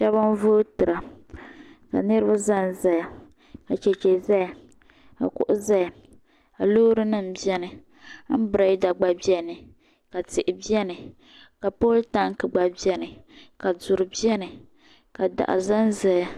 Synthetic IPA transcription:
ʃɛ˦βa˦n˦voː˦tɨ˨ɾa˨ | ka̰˨nɨ˦ɾɨ˦ba˦za˦n˨za˦ja˨ | ka˨t͡ʃɛ˨t͡ʃɛ˨za˦ja˨ | ka̰˨kʊ̰˨ʔʊ˦za˦ja˨ | a˨loː˦ɾɨ˦nɨ˦˨m̩˨bi˦ɛ˦nɨ˨˦ | m̩˦bɾa˨i˦da˨ɡ͡ba˨bi˦ɛ˦nɨ˨ | ka˨tɪ˨ʔɪ˨bi˦ɛ˦nɨ˨ | ka˨poː˦lta˦ŋkɨ˨ɡ͡ba˨bi˦ɛ˦nɨ˨ka˨zʊ˨ɾɨ˨bi˦ɛ˦nɨ˨ | ka˨da̰˨ʔa̰˨za˦n˦za˨ja˨

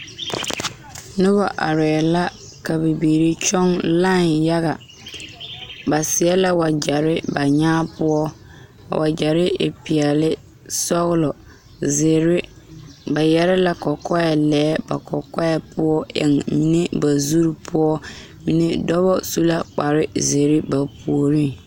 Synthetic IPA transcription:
nʊ˦βa˨ʔa̰˨ɾɪ˨ɛ˨la˦ | ka˨be˨biː˨ɾi˦t͡ʃɔ˦ŋla˦˨nja˦ɣa˨ | ba˨sɪ˨ɛ˦la˦wa˨d͡ʒa˨ɾɪ˦ba˨ɲaː˦pʊ˦ɔ˦ | a̰˨wa˨d͡ʒa˨ɾɪ˦ʔɪ˨pɪ˨ɛ˨lɪ˦ | sɔ˦ɣlɔ˨ | ze˨ɾɪ˦ | ba˨jɛ˦ɾɪ˦la˨kɔ˨kɔ˦ja˨lɛː˦ba̰˨kʰɔ˨kɔ˦ja˦pʊ˦ɔ˦ʔɪ̰˨ŋmi˨ne˦ba˨zu˦ɾpʰʊ˦ɔ˦ | mi˨ne˦dɔ˦βɔ˦su˦la˦k͡pa˨ɾɪ˦ze˨ɾɪ˦ba˨pu˨o˨ɾi˦ŋ

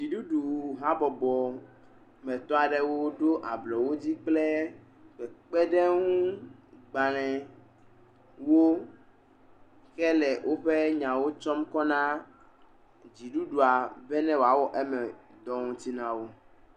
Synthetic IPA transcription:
d͡ʑi˨ɖu˦ɖu˨ɦã˦bɔ˨bɔ˨ | mɛ̃˨t̪ɔ˦a˨ɖɛ˦wo˦ɖo˦ʔa˨blɔ˨wo˦d͡ʑi˦k͡plɛ˦ | ɸɛ˨k͡pɛ˦ɖɛ˦ŋũ˦ɡ͡ba˨lɛ̃˨ | wo˦ | xɛ˦lɛ˨wʔo˦ɸe˦ɲã˨wo˦t͡ʃɔ˦mkɔ˦nã˦ | d͡ʑi˨ɖu˦ɖu˨a˨bɛ˦nɛ̃˦wo˨a˨wɔ˦ʔe˦mɛ˨ | d̪ɔ˦ŋũ˦t̪i˦nã˦wo˦

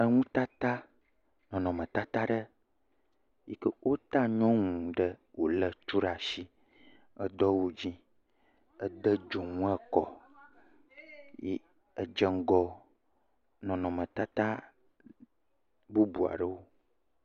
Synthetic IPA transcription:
ə˦ŋũ˦t̪a˦t̪a˦ | nɔ̃˨nɔ̃˨mə̃˨t̪a˦t̪a˦ɖə˦ | ji˦kə˦wʔo˦t̪a˦ɲɔ̃˦ŋũ˨ɖə˦wo˨lə˨t͡ʃu˦ɖa˨ʃi˦ | ə˦d̪ɔ˦wo˨d͡ʑĩ˦ | ə˦d̪ə˦d͡ʒo˨ŋũ˦ə˦kɔ˨ | jɛ̰˦ | ə˨d͡ʒə˦ŋ˦ɡɔ˦ | nɔ̃˨nɔ̃˨mə̃˨t̪a˦t̪a˦ | bu˦bu˨a̰˨ɖə˦wo˦

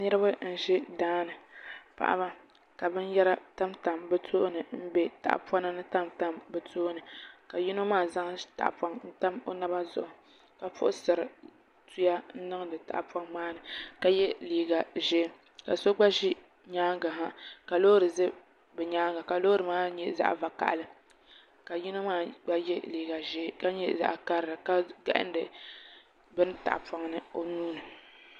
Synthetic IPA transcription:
nɨ˦ɾɨ˦ba˦n̩˦ʒɪ˦daː˦nɨ˨pa̰˨ʔa̰˦ba˦ | ka˨bɨ˦n˦jɛ˦ɾa˦ta˦mta˨mbɛ˦tʰoː˦nɨ˨m̩˦be˦ta̰˨ʔpa˦nɨ˦nɨ˦ta˦mta˦mbɛ˨tʰoː˦nɨ˨ka˨ji˦no˦maː˦˨za˦ŋta̰˨ʔpa˦ŋn̩˦ta˦mo˦na˦ba˦zʊ̰˦˨ʔʊ˨ | ka˨fʊ̰˦ʔʊ˦sɨ˨ɾɨ˨ | tu˦ja˦n̩˦nɨ˦ŋ˦dɨ˨ta̰˨ʔpa˦ŋmaː˦nɨ˨ka˨jɛ˦liː˨˦ɡa˨ʒɛ˦ | ka˨so˦ɡ͡ba˦ʒi˦ | ɲaː˦ŋɡa˨ɦa˦ka˨loː˦ɾɨ˨zɨ˦ | bɛ˨ɲaː˦ŋɡa˨ka˨lo˦ɾɨ˨maː˦ɲɛ˦za̰˦ʔva˨ka̰˨ʔlɨ˦ | ka˨ji˦na˦maː˦ɡ͡ba˦jɛ˦liː˨ɡa˨ʒɛ˦ka˦ɲɛ̰˦za̰˨ʔka˦ɾɨ˨ɾɨ˨ka˦ɡa̰˨ʔɪ̰˦n˦dɨ˨ | bɨ˦nta̰˨ʔpa˦ŋnɨ˦o˦nuː˦nɨ˨

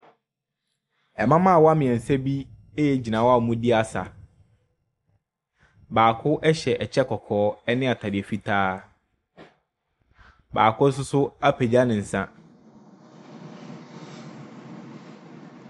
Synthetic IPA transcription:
ɛ˨mã˦mã˦˨wɔ˦a˦mɪ̃˨ɛ̃˨n̩˨sɛ˦bi˦ | e˦jɛ˦d͡ʑi˨nã˨wa˨mũ˦dɪ˦a˦sa̰˨ | baː˨kʰʊ˦ʔɛ˦ɕɛ˨ʔɛ˨t͡ɕʰɛ˦kʰɔ˨kʰɔː˨˦ɛ˦nɪ̃˦a˨tʰa˨dɪ˨ɛ˨fi˦tʰaː˦ | ba̰ː˨kʰʊ˦s̬ʊ˦sʊ˦a˦pʰe˨d͡ʑa˦nɪ̃˨n̩˨sã˦

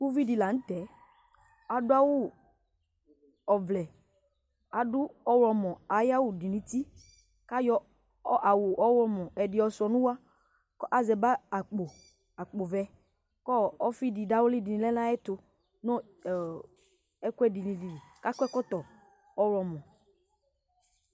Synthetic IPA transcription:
ku˦vi˦di˨la˨ŋ̩̃˦t̪ɛ˨ | a˨dʊ˦a˦wo˦ | ɔ˨vlɛ˨ | a˨dʊ˦ɔ˦wɾɔ˨mɔ̃˨a˨ja˦wu˨di˨nĩ˨˦t̪i˦ | ka˦jɔ˦ | ʔa˨wo˨ʔɔ˦wɔ˦mɔ̃˨ʔɛ˨dɪ˨ɔ˨sɔ˨nũ˦wa˦ | kɔ˦ʔa˨zɛ˨ba˦a˨k͡po˨ | a˨k͡po˨vɛ˨ | kɔ˦ɔ˦fi˦di˨da˦wo˦li˦di˨nĩ˨lɛ˦nã˦ɛ˦t̪ʊ˨ | nɔ̃˦˨ | ɛ˦ku˦ɛ˦di˨nĩ˨di˨li˨ka˦kɛ˦kɔ˦t̪ɔ˨ | ɔ˦wɔ˨mɔ̃˨

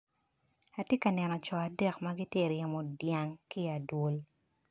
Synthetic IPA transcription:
a˨tje˦kɐ˨nɛ˨nɔ˨t͡ʃɔ˨a˨dɛ˦kmaɡi˦te˦ɾjɛ˨mɔ˨dja˦ŋki˦a˨dwo˦l

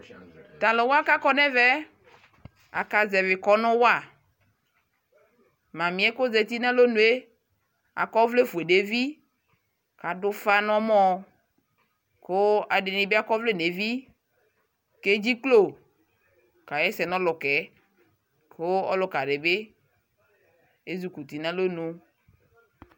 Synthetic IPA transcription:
t̪a˨lo˨wo˦a˦ka˦kɔ˦nɛ̃˦vɛ˦ | a̰˨ka˨zɛ˨ve˨kɔ˦nɔ̃˦wa˦˨ | mã˨mĩ˨˦ɛ˦ko˦zɛ˨t̪i˦nɛ̃˦lo˦nũ˨e˦ | a̰˨kɔ˦vle˦fu˨e˨ɖe˨vi˦ | ka˨dʊ˦fa˦nɔ̃˦mɔ̃˦ | ko˦a˨ɖe˨nĩ˨be˦a˦kɔ˦vle˦ne˨vi˦ | ke˦d͡ʑi˦klo˦˨ | ka˨jɛ˦sɛ˨nɔ̃˦lɔ˨kɛ˨ | ko˦ɔ̰˦lʊ˦ka˨ɖe˨be˦ | e˦zu˨ku˨t̪i˨nã˦lo˦nũ˦

